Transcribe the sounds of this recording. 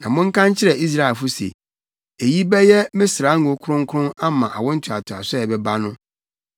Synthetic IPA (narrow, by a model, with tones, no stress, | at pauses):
nã˨mʊ̃˦ŋ̩˦kʰã˦ɲ˦t͡ɕʰɪ˦ɾɛ˨i˦s̬ɾa˦e˨fʊ˦sḛ˨ | e˨ji˦bɛ˦jɛ˦mɪ̃˦sɾa˨˦ŋu˨˦kʰʊ˦ɾʊ̃˦ŋ̩˦kʰʊ̃˦na˦mã˨ʔa̰˨wɔ̃˦n̩˦t͡ɕʰʊ˨a˨tʰʊ˨a̰˨sɛ˦ɛ˨bɛ˦ba˦nʊ̃˦